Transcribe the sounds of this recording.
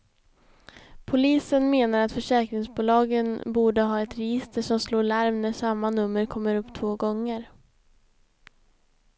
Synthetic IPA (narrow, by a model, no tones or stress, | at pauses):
pʰʊliːsənmeːnaɾat̪fœʂɛːkɾɪŋsbuːlɑːɡənbuːɖəɦɑːɛt̪ɾɛjɪst̪ʰəʂɔmsloːɭaɾmnæʂamːanɵmːəɾkʰɔmːəɾɵpːt̪ʰvoːɡɔŋːəɾ